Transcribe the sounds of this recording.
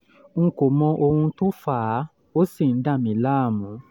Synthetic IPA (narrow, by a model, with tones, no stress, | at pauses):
ŋ̩˧ko˨mɔ̃˧ʔo˧hũ˧to˦faː˨˦ | o˦si˦˨n̩˨˦da˦˨mĩ˨˦la˦˨mũ˨˦